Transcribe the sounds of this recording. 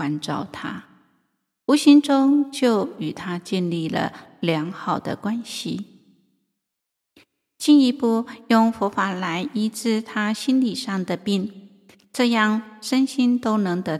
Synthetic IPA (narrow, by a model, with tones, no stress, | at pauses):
wa˧˥nʈ͡ʂɑ˥˩ʊt̪ʰa˥ | u˧˥ɕi˥nʈ͡ʂʊ˥ŋt͡ɕjo˥˩ʊy˨˩t̪ʰa˥t͡ɕjɛ˥˧nli˥˩lə̰˩ljɑ˧˥ŋxɑ˨˩ʊd̪ə̰˦kwa˦˥nɕi˨ | t͡ɕi˥˧ni˧˥pu˥˧jʊ˥˧ŋfɔ˧˥fa˨˩la˧˦˥ɪʔi˥ʈ͡ʂɻ̩˥˩t̪ʰa˥ɕi˥nli˨˩ʂɑ˥˩ŋd̪ə˨pi˥˩ŋ | ʈ͡ʂɤ˥˧jɑ˥˩ŋʂə˥nɕi˥nt̪o˥ʊnɤ˧˥ŋd̪ə˧